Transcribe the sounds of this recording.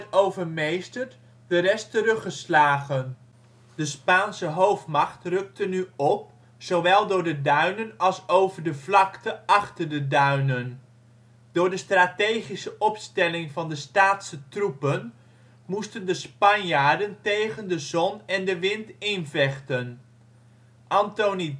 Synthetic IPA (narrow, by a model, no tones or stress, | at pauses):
towvəɹmejstəɹt | dərɛstərɵχəslaːχən | dəspaːnsəɦowftmɑχtrɵk̚tənyɔp̚ | sowʋɛlˠdʊːɹdədœɥnənɑlˠsowvəɹdəvlɑktəɑχtəɹdədœɥnən | d̥ʊːɹdəstraːtejχisəʔɔpstɛlɪŋvɑndəstaːtsətrupən | mustəndəspɑnjaːɹdəntejχəndəzɔnɛndəʋɪntɪnvɛχtən | ʔɑntoni